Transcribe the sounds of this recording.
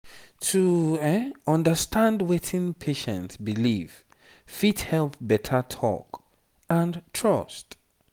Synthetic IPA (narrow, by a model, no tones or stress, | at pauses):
tʰu | ʌ̃ndəstʰãndwetʰĩnpʰeʃɛ̰̃ntsbiliv̥ | fithɛlpbɛtʰətʰɔ̰k | ə̃ntʰɹʌst